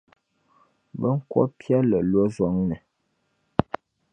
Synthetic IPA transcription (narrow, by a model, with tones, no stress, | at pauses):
bə˦ŋ̩˦kwɔ̰˦pʰja˦lə˨lwɔ˦zɔ˨˦ŋnə˨